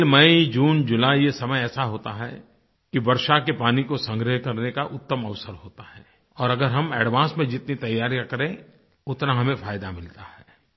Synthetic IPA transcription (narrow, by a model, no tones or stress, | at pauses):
lmɐid͡ʒuːnd͡ʒʊlaːijesɐməjɛːsaɦoːt̪aɦɛ̰ | kibɐɾʃakepaːnikosɐ̃ŋɡɾəɦkɐɾnekaʔʊt̪ːəmɐʋsəɾɦoːt̪aɦɛː | ɔːɾɐɡəɾɦɐmeːɖʋãːsmẽd͡ʒɪt̪nit̪ɐjːaːɾjãkɐɾẽ | ʊt̪naɦɐmẽfʰaːjd̪amɪlt̪ahɛː